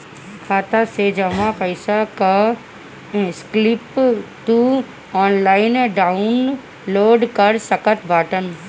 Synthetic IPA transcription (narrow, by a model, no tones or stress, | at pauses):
kʰaːt̪ased͡ʒəmãkəɪsaka | sklɪpʈu | ɔːnlaːɪnɖaːʊn | loːɖkəɾsəkət̪bʱaːʈən